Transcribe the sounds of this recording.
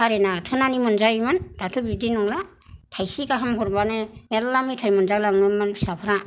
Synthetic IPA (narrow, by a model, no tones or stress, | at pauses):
aɾenatʰɯnanimɯnzajmɯndatʰubidinɔŋla | tʰajsikaɦamɦɔɾbanɯelːamitʰajmɯnzalaŋɯmɯnsapʰɾa